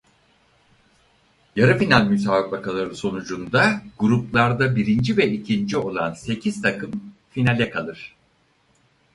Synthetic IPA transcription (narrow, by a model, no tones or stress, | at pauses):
jaɾɯfinalʲmysaːɯk̚bakalˠaɾɯso̞nud͡ʒund̪aɡuɾuplˠaɾd̪abiɾind͡ʒivɛicʰind͡ʒio̞lˠanse̞cʰiz̥t̪ʰakʰɯmfinalʲɛkʰalˠɯɾ̥